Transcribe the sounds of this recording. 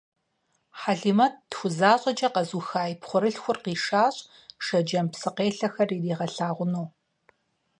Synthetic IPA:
ħaɮiːmɐt̚dxʷʊzaːɕʼɐd͡ʒɐqɐzuxaːjipχʷʊɾɨɬxʷʊrqiːʂaːɕʼ | ʂɐd͡ʒɐmpsɨqeːɬɐxɐririːʁɐɬaːʁʷʊnoː

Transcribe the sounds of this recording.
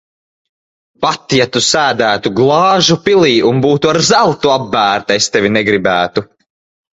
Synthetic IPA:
pat̪jat̪usæːd̪æːt̪uɡlˠɑːʒupilˠiːʔunbuːt̪uaɾzawt̪uabːæːɾt̪est̪evʲinɛɡɾibæːt̪u

